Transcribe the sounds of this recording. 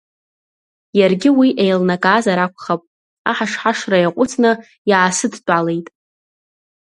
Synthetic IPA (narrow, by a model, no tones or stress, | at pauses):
jarɡʲɪwiʔejlnakʼaːzaɾakʷʰʼχapʼ | aħaʂħaʂrajaqʷʼʊt͡sʰnɨ | jaːsɨdt͡pʼale̞jtʼ